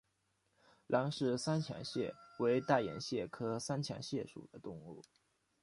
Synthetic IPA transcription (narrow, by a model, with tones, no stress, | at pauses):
lʔɑ˧˥ŋʂɻ̩˥˩sa˥nt͡ɕʰjɑ̰˧˥ŋɕjɛ˥˩we˧˥ɪt̪a˥˩ɪjɛ̰˨˩nɕjɛ˥˩kʰɤ˥sa˥nt͡ɕʰjɑ̰˧˥ŋɕjɛ˥˩ʂṵ˨˩d̪ə˦t̪ʊ˥˧ŋṵ˥˩